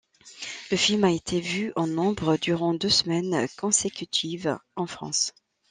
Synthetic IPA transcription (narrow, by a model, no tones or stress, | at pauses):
ləfilmaet̪ʰevyɑ̃nɔ̃bʁəd̪yʁɑ̃d̪øsəmɛnkɔ̃sekʲyt̪ʰivɑ̃fχɑ̰̃s